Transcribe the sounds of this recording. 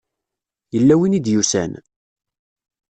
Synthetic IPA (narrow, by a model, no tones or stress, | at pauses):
jəlːæwinid̪jusæ̰n